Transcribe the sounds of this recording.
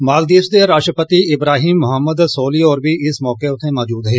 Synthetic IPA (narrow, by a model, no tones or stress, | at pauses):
maːld̪iːsd̪eːɾaːʃʈɾəpət̪iːɪbɾaːɦiːmːʊɦəmːəd̪soːliːɔːɾbiːʔɪsmɔːkeːʊt̪ʰːẽːmɔːd͡ʒuːd̪ɦeː